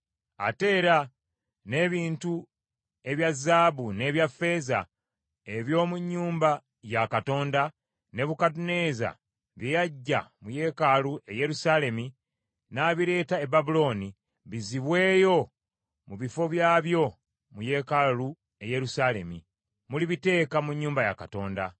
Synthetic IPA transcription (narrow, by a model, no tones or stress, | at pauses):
a̰te̞ːɾa | ne̞βiːntu | e̞βjazːaːβune̞ːβjafe̞za̰ | e̞βjo̞ːmuɲːuːmba | jakato̞ːnda | ne̞βukatune̞ːza̰ | βjejaɟːa̰muje̞ːkaluʔe̞je̞ɾusaːle̞mi | naːβiɾe̞ːtae̞baβulo̞ːni | βiziβwe̞ːjo̞ | muβifo̞βjaːβjo̞ | muje̞ːkalu | e̞je̞ɾusaːle̞̰mi | muliβite̞ːkamuɲːuːmbaja̰kato̞ːnda